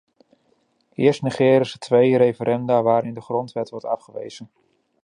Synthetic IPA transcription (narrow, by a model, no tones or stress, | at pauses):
ɪːəɹstniχɛːɾəsətʋejɾejfəɾʔɛndaːʋaːɾɪndəχrɔntʋɛtʋɔɹtɑfχəʋḛjz̥ən